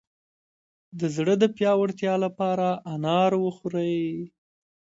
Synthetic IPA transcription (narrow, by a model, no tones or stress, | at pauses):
d̪əzɽəd̪əpjɑwəɽt̪jɑlapɑɾaʔːnɑɾwəxuɾəj